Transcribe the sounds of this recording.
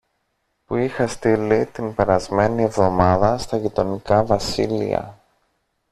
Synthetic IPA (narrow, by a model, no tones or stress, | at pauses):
puixɐst̪ilit̪inpe̞ɾɐzme̞nie̞vðo̞mɐðɐst̪ɐʝit̪o̞nikɐvɐsilḭɐ̰